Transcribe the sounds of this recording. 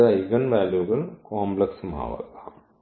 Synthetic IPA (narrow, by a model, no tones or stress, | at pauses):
aiɡənʋɛːljuːɡəlkɔ̃ːmpləksmʱa̰ːʋa̰ka̰